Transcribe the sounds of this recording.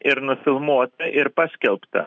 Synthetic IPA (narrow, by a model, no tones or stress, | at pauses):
ɪɾnʊfʲɪlˠmuɔt̪ɐʔɪɾpɑːsʲkʲɛlˠpt̪ɐ̰